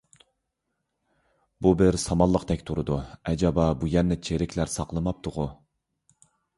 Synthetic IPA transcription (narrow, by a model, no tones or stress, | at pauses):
bubɪɾsɑmɑlˠːəqd̪ɛkʲt̪ʰuɾɨd̪uɛd͡ʒɑbɑbujɛnːɪt͡ʃʰeɾɪkʲʰlæɾsɑqlˠɨmɑp̚t̪ʰʊʁʊ